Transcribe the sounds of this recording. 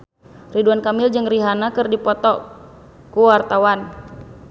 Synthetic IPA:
riduankamild͡ʒɨŋriɦanakɨrdipɔt̪ɔ | kuwart̪awan

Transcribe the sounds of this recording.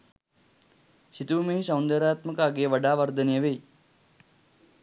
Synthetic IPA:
ɕit̪uːmeɦisɐwnd̪əɾaːt̪mɐkaːɡeːʋɐɖaːʋɐɾd̪ʱɐnijɐʋeː

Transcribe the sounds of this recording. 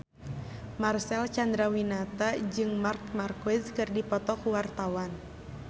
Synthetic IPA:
marsɛlt͡ʃand̪ɾawinat̪ad͡ʒɨŋmark̚markɔɪskɨrdipɔt̪ɔkuwart̪awan

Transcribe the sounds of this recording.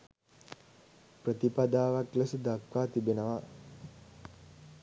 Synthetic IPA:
pɾət̪ipad̪aːʋakləsəd̪akʋaːt̪ibenəʋa

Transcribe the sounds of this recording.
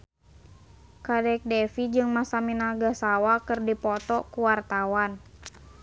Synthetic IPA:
kadɛk̚dɛfid͡ʒɨŋmasaminaɡasawakɨrdipɔt̪ɔkuwart̪awan

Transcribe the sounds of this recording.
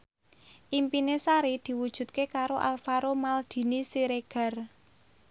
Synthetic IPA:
ʔimpinesaɾid̪̥i̤wud̥ʒ̥ṳt̪̚kekaɾoʔa̰lfaɾomald̪̥i̤nisiɾeɡ̥a̤r

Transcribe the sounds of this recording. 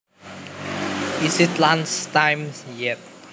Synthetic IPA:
isitlãnstãjmsjɛt̚

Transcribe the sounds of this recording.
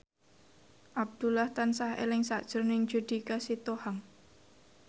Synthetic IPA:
ʔab̚d̪̥ulaht̪ansahḛlɪŋsaʔd̥ʒ̥ʊ̤rnɪŋd͡ʒud̪̥ikasit̪ohaŋ

